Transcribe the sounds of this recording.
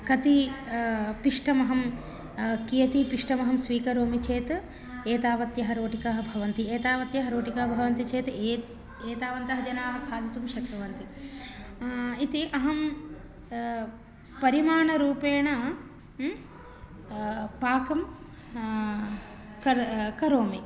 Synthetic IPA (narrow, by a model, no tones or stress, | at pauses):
kɐt̪i | piʂʈɐmɐɦɐm | kijɐt̪ipiʂʈɐmɐɦɐmsʋiːkɐɾoːmit͡ʃeːt̪ | eːt̪aːʋɐt̪jɐɦɐɾoːʈikaːɦɐbʱɐʋɐnt̪ieːt̪aːʋɐt̪jɐɦɐɾoːʈikaːɦɐbʱɐʋɐnt̪it͡ʃeːt̪eː | eːt̪aːʋɐnt̪ɐɦɐd͡ʒɐnaːɦɐkʰaːlit̪umʃɐkɾɐʋɐnt̪i | it̪iʔɐɦɐm | pɐɾimaːɳɐɾuːpeːɳɐ | paːkɐm | kɐkɐɾoːmi